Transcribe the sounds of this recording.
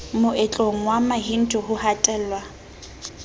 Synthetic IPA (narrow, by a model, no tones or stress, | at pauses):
mʊʔɛt͡ɬʼoŋ̩wamaɦin̩tʰʼʊhʊhatʼɛːlwa